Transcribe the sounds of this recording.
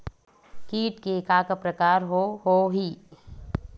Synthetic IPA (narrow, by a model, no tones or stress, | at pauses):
kiːʈkekaːkəpɾəkaːɾɦohoɦi